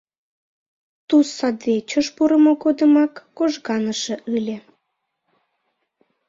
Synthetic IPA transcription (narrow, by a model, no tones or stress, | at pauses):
t̪usɑd̪et͡ɕəʃpuɾəmoɣod̪əmɑkːoʒɣɑnəʃĕʔɯlʲe